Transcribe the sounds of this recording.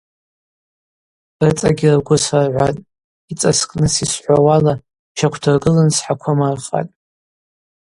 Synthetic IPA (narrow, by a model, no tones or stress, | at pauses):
rt͡sʼaɡʲɪraɡʷʊsarʕʷa̰tʼ | it͡sʼaskʼnɨsisħʷawala | t͡ʃʰakʷʰdʰɨrɡɨlansħakʷʰamarχa̰tʼ